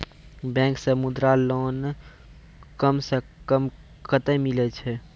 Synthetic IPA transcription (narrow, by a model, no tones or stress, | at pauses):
bɛ̃ːŋksəmud̪ɾaloːn | kəmsekəm | kʰət̪əmɪlet͡ʃʰɛ